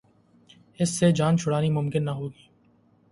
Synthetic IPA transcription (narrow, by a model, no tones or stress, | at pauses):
ɪsːed͡ʒaːnt͡ʃʰʊɽaːnimʊmkɪnːɐɦoːt̪